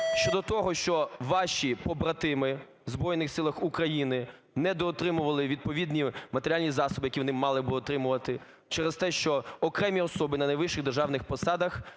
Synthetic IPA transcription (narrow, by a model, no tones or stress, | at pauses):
ʃt͡ʃɔd̪ɔt̪ɔɦɔʃt͡ʃɔʋɑʃʲipɔbɾɐt̪ɪmɪ | zbɾɔjnɪxsɪlˠɐxukɾɐjinɪ | nɛd̪ɔːt̪ɾɪmʊʋɐlˠɪʋʲid̪̚pɔʋʲid̪ʲnʲimɐt̪eɾʲalʲnʲizɑsɔbɪjɐkʲiʋɔnɪmɑlˠɪbɪɔt̪ɾɪmʊʋɐt̪ɪ | t͡ʃɛɾɛst̪ɛʃt͡ʃɔɔkɾɛmʲiɔsɔbɪnɐnɐjʋɪʃɪɣd̪erʒɑwnɪxpɔsɑd̪ɐx